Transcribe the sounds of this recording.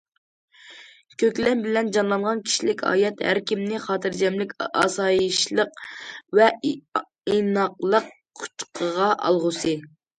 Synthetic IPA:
kʲʰøkʲlɛnbɪlɛnd͡ʒɑnlˠɑnʁɑnkʲʰi̥ʃilɪkʲɑ̰ːjɛt̪hæ̰ɾkʲʰimnɪχɑːt̪ʰɨɾd͡ʒɛmlɪkʲɑ̰sɑːjiʃlˠəqvɛ | inɑqlˠəqʰ | u̥t̪qʰəʁɑʔɑ̰lˠʁʊsɨ

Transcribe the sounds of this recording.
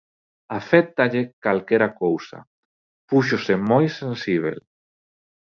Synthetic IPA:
afɛt̪aʎekalkɛɾakowsa̰ | puʃ̬osemojsẽnsiβ̞ḛl

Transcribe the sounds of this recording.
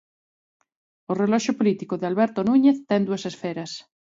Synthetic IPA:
orelɔʃopolit̪ikoðealβeɾt̪onuɲeθt̪ɛŋd̪uasesfeɾas

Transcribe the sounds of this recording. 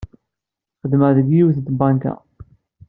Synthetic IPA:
χəd̪məʁðəɡjiwθənt̪bɑŋka̰

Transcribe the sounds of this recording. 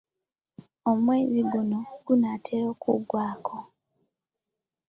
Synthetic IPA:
omwe̞ːziɡunoɡ̥unatʰeɾo̞ːkṵɡwaːkʰo

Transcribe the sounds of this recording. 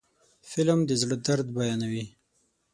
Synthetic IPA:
fɪlmd̪əzɽəd̪aɾd̪bajɑnawi

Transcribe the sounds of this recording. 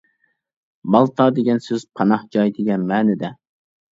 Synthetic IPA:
bɑlˠt̪ʰɑːd̪eɡʲɛnsøz̥pʰɑnɑhd͡ʒɑjd̪eɡʲɛnmɛːnɪd̪ɛ

